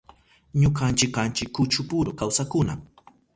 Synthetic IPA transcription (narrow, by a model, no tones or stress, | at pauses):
ɲʊkant͡ʃɪkːant͡ʃɪkːʊt͡ʃʊpʊɾʊkawsakʊna̰m